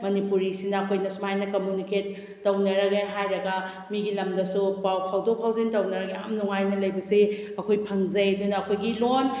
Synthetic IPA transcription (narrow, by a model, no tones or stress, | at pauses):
mɐnipuɾisinɐːkʰojnɐsumajnɐkɐmjuniket̚ː | ɐwnɐɾɐɡeɦajɾɐɡɐ | miɡilɐmdɐsupawkʰawdok̚pʰawzentɐwnɐɾɐɡea̰mnuŋajnɐlɐjbɐse | ɐkʰojpʰɐŋzɐjɐdunɐːkʰojɡilon